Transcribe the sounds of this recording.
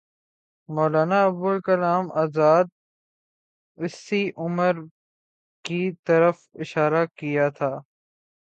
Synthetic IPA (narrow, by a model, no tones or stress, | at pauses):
mɔːlaːnaɐbbʊlkɐlaːmaːzaːd̪̚ | ɪsiʔʊməɾ | kit̪ɐɾəfɪʃaːɾakijat̪ʰaː